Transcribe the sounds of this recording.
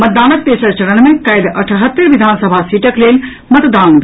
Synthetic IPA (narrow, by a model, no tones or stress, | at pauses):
mət̪̚d̪aːnət̪̚p̪esəɾt͡ʃəɽənmekəjd̪əʈʰɦət̪ːəɾʋid̪ʱansəbʱasiʈəklel | mət̪d̪aːnb